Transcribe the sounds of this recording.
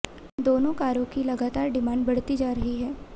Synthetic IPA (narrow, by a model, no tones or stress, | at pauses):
d̪oːnõkaːɾõkilɐɡaːt̪aːɾɖɪmãːɳɖbɐɽ̤t̪id͡ʒaːɾɐɦiɦɛː